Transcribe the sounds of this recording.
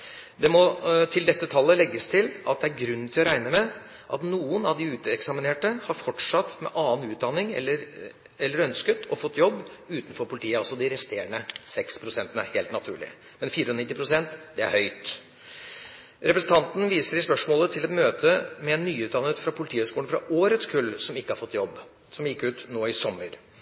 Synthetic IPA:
d̪ɛmɔt̪ʰɪld̪ɛt̪ːət̪ʰɑlːəlɛɡːəst̪ʰɪlʔɑ̰t̪̚d̪ɛæɾɡɾʉnːnt̪ʰɪlɔɾæɪnəmɛ | ʔɑt̪nuːənɑʋd̪ɪʉːt̪ɛksɑmɪneːʈəhɑɾfɔʈʂɑt̪ːmɛ̰ʔɑːnʉːt̪̚d̪ɑnɪŋɛ̰lːəɾ | ɛlːəɾœnskət̪ʰɔfɔt̪ːjɔbːʉːt̪n̩fɔɾpʰʊlɪt̪ʰiːəɑlsɔd̪ɪɾɛst̪eːɳəsɛkspʰɾʊsɛnt̪ənəheːlt̪nɑt̪ʰʉ̰ːɭɪ̰ | mɛnfiːɾəɔnɪt̪ːɪpʰɾʊsɛnt̪d̪ɛæ̰ɾhœʏt̪ | ɾɛpɾəsn̩t̪ɑnt̪n̩ʋiːsəɾɪspœʂmoːlət̪ʰɪlɛt̪møːt̪ʰəmɛɛnːyːʉːt̪̚d̪ɑnːət̪fɾɑpʰʊlt̪ʰiːhøskuːənfɾɑ̰ʔoːɾət̪skʰʉlːsɔmɪkːəhɑɾfɔt̪ːjɔbː | sɔmjɪkːʉːt̪noːɪsɔmːəɾ

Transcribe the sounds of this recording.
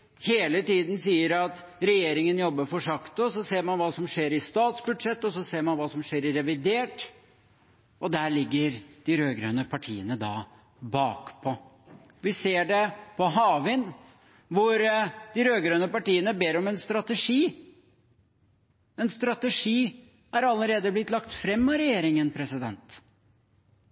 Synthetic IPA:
heːlət̪iːd̪nsiːəɾɑt̪ | ɾɛjeːɾɪŋənjɔbːəɾfɔʂɑkt̪ʊɔsɔseːɾmɑnʋɑːsɔmʂeːɾɪst̪ɑːt̪sbʉd̪ʂɛt̪ːɔsɔseːɾmɑnʋɑːsɔmʂeːɾɪɾɛʋɪd̪eːʈ | ʔɔd̪æːɾɭɪɡːəɾd̪̥ɪɾøːɡɾønəpʰɑʈʰiːənəd̪ɑ̰ː | bɑːkpʰɔ | ʋɪseːɖɛpʰɔɦɑːʋɪn | ʋʊɾd̪̥ɪɾøːɡɾønəpɑʈiːənəbeːɾɔmɛnst̪ɾɑt̪əʂiː | ɛnst̪ɾɑt̪əʂiː | æɾɑlːəɾeːd̪əblɪt̪lɑkt̪fɾɛmːɔɾɛjeːɾɪŋənpʰɾɛsɪd̪ɛnt̪

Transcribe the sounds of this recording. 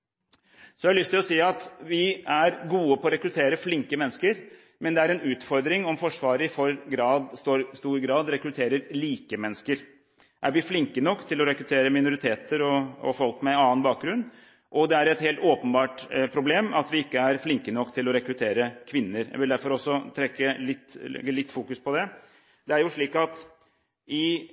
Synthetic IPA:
sɔælʏst̪ʰːɪlɔsiːɑt̪ʋɪæɾɡuːəpʰɔɔɾɛkɾʉt̪ʰeːɾəflɪŋkəmɛnːəskəɾ | mɛnd̪ɛæɾɛnʉːt̪fɔɾd̪ɾɪŋɔmfɔʂʋɑːɾəɪfɔɾɡɾɑːd̪st̪oːɾst̪uːɾɡɾɑːd̪ɾɛkɾʉt̪ʰeːɾəɾliːkəmɛnːəskəɾ | ʔæɾʋɪflɪŋkənɔkːt̪ʰɪlɔɾɛkɾʉt̪ʰeːɾəmɪnʊɾɪt̪ʰeːt̪əɾɔɔ̰fɔlkmɛɑːənbɑːk̚ɡɾʉnː | ʔɔd̪ɛæɾɛt̪heːlt̪oːpənbɑːʈpʰɾʊbleːmɑt̪ʋɪɪkːəæɾflɪŋkənɔkːt̪ʰɪlɔɾɛkɾʉt̪ʰeːɾəkʰʋɪnːəɾjæ̰ɡʋɪld̪æɾfɔɾɔsːɔt̪ʰɾɛkːəlɪt̪ːlɪt̪ːfuːkʉspʰɔd̪ɛ | d̪ɛæɾjʊʂɭiːkɑt̪ | ʔɪ

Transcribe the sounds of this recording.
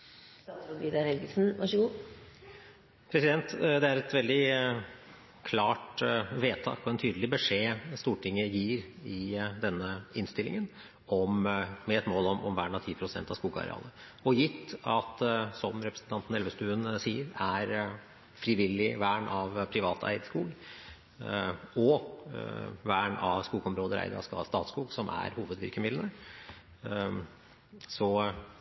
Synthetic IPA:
st̪ɑt̪sɔʋiːd̪ɑɾhɛlɡəlsn̩ʋɑʂəɡuː | pʰɾɛsɪd̪ɛnt̪d̪ɛæɾɛt̪ʋɛld̪ɪ | kʰlɑːʈʋeːt̪ʰɑ̰ːkɔɛnt̪ʰyːd̪əlɪbəʂeːst̪uːʈʰɪŋːəjiːɾɪd̪ɛnːəɪnst̪ɪlɪ̰ŋən | ɔmmɛɛt̪moːlɔmɔ̰mʋæːɳɑt̪ʰiːpʰɾʊsɛ̰nt̪ɑʋskuːɡɑ̰ɾɛ̰ɑ̰ːlə | ɔjɪt̪ːɑt̪sɔmɾɛpɾəsn̩t̪ɑnt̪n̩ɛlʋəst̪ʉːənsiːəɾæɾ | fɾɪʋɪlːɪʋæːɳʔɑʋpʰɾɪʋɑːt̪æ̰ɪd̪skuːɡ | ɔ | ʋæːɳɑʋskuːɡɔmɾoːd̪əɾʔæ̰ɪd̪ə̰ɾɑ̰skɑ̰st̪ɑːt̪skuːɡsɔmʔæ̰ɾhuːʋəd̪ʋɪɾkəmɪd̪lənə | sɔ

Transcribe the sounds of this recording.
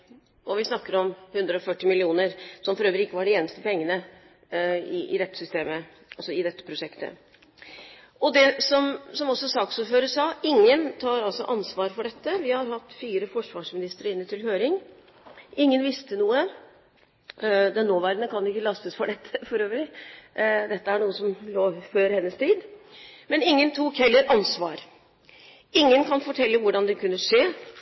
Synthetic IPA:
ʔɔʋɪsnɑkːəɾɔmhʉnd̪ɾəɔfœʈːɪmɪlɪuːnəɾsɔmfɔɾøːʋəɾɪɪkːəʋɑɖɪeːnəst̪əpɛŋːənə | ɪʔɪ̰ɾɛt̪ːsʏst̪eːmə | ɑlsɔɪd̪ɛt̪ːəpʰɾʊʂɛkt̪ʰə̰ | ɔd̪ɛsɔmsɔmɔsːɔsɑːksuːɾføːɾəsɑːʔɪŋːənt̪ʰɑːɾɑlsɔʔɑnsʋɑːɾfɔɖɛt̪ːəʋɪhɑɾhɑt̪ːfiːɾəfɔʂʋɑːʂmɪnɪst̪əɾɪnːəʈ̪ɪlɦøːɾɪŋ | ɪŋːənʋɪst̪ənuːə | d̪ɛnːoːʋæːɾənəkɑnʊɪkːəlɑst̪əsfɔɖɛt̪ʰːəfɔɾøːʋəlɪ | d̪ɛt̪ːəæɳuːəsɔmloːføːɾhɛnːəst̪ʰiːd̪mɛnɪŋːənt̪ʰuːkʰɛlːəɾʔɑnsʋɑːɾ | ɪŋːənkɑnfɔʈʰɛlːəʋʊɖɑnd̪ɛkʰʉnːəʂeː

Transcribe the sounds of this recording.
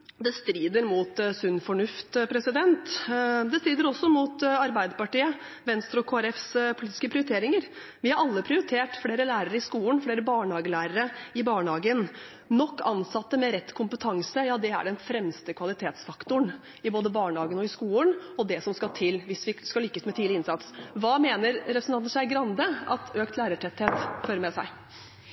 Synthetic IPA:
d̪ɛst̪ɾiːd̪əɾmʊt̪sʉnːfɔɳʉft̪pʰɾɛsɪd̪ɛnt̪d̪ɛst̪ɾiːd̪əɾɔsːɔmʊt̪ɑɾbæɪd̪əpɑʈiːə | ʋɛnst̪ɾəɔkʰoːæɾɛfspʰʊliːt̪ɪ̥skəpʰɾɪʊɾɪt̪ʰeːɾɪŋəɾ | ʋɪhɑɾɑlːəpʰɾɪʊɾɪt̪ʰeːʈfleːɾəlæːɾəɾəɪskuːənfleːɾəbɑːɳhɑːɡəlæːɾəɾəɪbɑːɳəhɑːɡən | nɔkːɑ̰nsɑt̪ːəmɛɾɛt̪ːkʰʊmpət̪ʰɑŋsəjɑːd̪ɛæ̰ɖɛnfɾɛmst̪əkʰʋɑlɪt̪ʰeːt̪sfɑkt̪ʊɳ | ɪboːd̪əbɑːɳəhɑːɡənɔɪskuːənɔd̪ɛsɔmskɑlt̪ʰɪlʋɪsʋɪskɑliːkːəsmɛt̪ʰiːlɪɪnsɑt̪sʋɑːmeːnəɾɾɛpɾəsnɑnn̩sæɪɡɾɑnd̪əʔɑ̰t̪øːk̚t̪læːɾəʈʰɛt̪heːt̪føːɾəmɛsæ̰ɪ

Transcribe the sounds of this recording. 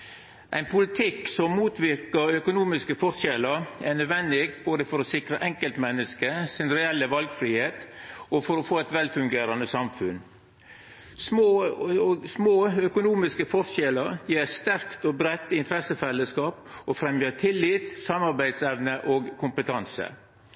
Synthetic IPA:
ʔæɪnpʰʊlɪt̪ʰɪkːsɔmmuːt̪ʋɪɾkəɾœkʊnuːmɪskəfɔɾʂɛləɾænœd̪ʋɛnd̪ɪɡboːd̪əfɔɾɔsɪkɾəʔɛŋkəlt̪mɛnːəskəsɪnɾɛɛlːəʋɑlɡfɾiːheːt̪ɔfɔɾɔfoːæɪt̪ʋɛlfʉŋɡeːɾɑnəsɑmfʉn | smoː | smoːœkʊnuːmɪskəfɔɾʃɛləɾjiːɾst̪æɾkt̪ɔbɾɛt̪ːɪnt̪əɾɛsəfɛlːəskɑːpɔfɾɛmjət̪ʰɪlːɪt̪sɑmɑɾbæɪd̪sɛʋnəʔɔːɡkʰʊmpət̪ʰɑnsə̰

